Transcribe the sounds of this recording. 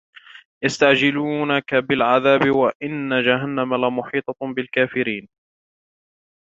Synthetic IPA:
jast̪aʕd͡ʒɪluːnakabɪlʕaðaːbɪwaʔɪnːad͡ʒaɦanːamalamʊħiːt̪ˤɑbɪlkaːfɪɾiːn

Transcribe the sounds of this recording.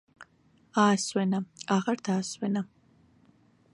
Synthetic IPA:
aːswɛnɐaːʁɐrt̪ʰaːswɛnɐ

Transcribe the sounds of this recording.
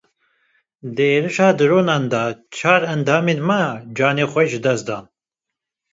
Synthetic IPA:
d̪ɨeːɾɨʃaːd̪ɨɾoːnaːnd̪ɑt͡ʃʰaːɾɛnd̪aːmeːd̪maːd͡ʒaːneːxʷɛʒɨd̪ɛsd̪aːn

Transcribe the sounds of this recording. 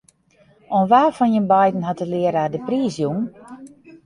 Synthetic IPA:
ɔnʋaːfɔnjənbajdn̩hɔtəlɪəɾaːdəpriːsjuŋ

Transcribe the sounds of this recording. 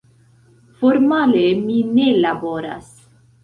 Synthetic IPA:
foɾmaleminelaboɾa̰s

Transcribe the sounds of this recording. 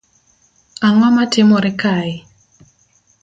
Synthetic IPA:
aŋwamatɪmɔɾɪkaɪ

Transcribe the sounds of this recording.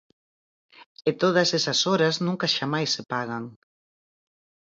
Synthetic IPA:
et̪oð̞ɐsesɐsoɾɐznũŋkɐʃamajsːepaɣɐŋ

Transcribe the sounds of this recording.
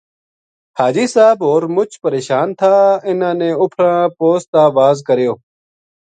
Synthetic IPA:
haːd͡ʒiːsaːboːɾmʊt͡ʃʰpəɾeːʃaːnt̪ʰaːɪnãːnẽːʊpʰɾãːpoːst̪aːʋaːzkəɾjoː

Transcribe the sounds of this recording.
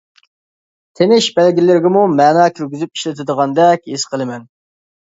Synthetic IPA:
t̪ʰenɪʃbælɡʲilɪɾɡʲɪmumæːnɑːkʲʰyɾɡʲyzyp̚i̥ʃlɪt̪ʰɪd̪əʁɑnd̪ɛkʲhisqʰəlˠɨmɛn

